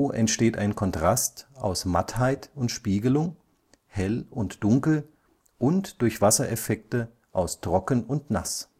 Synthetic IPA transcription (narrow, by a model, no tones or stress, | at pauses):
ʔɛntʃteːta̰ɪnkʰɔntʁ̥asta̰ʊsmathaɪtʊntʃpiːɡəlʊŋ | hɛlʊntd̥ʊŋkl̩ | ʔʊntd̥ʊɐçv̥asɐʔɛfɛk̚tə | ʔaʊstʁ̥ɔkn̩ʊntna̰s